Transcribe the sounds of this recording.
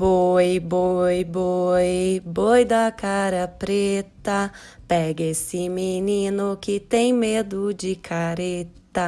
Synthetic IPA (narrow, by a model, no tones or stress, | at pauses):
bojbojbojbojd̪ɐkaɾɐpɾet̪ɐ | pɛɡesɪminĩnʊkɪt̪ẽj̃med̪ʊd͡ʒɪkʰaɾet̪ɐ